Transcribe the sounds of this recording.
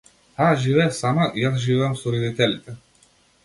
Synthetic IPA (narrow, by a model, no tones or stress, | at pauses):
haʒivɛasamaʔijasʒivɛamsuɾɛd̪it̪ɛlit̪ɛ